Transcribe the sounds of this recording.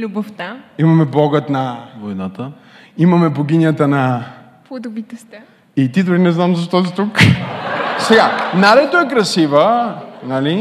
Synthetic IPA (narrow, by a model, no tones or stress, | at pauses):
lʲuboft̪aimɐmɛbɔɡət̪nɐvojnat̪ə | imɐmɛboɡʲinjət̪ənɐ | pod̪ʊbit̪ɛst̪ɛ | it̪id̪ʊɾinɛznamzɐʃt̪ɔs̬it̪uk | sɛɡanaɾɛt̪oɛkɾɐsivənɐli